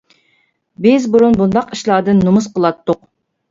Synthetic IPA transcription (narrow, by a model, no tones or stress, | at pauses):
bɪzbuɾunbund̪ɑqiʃlˠɑːd̪ɨnːumusqəlˠɑt̪ːʊq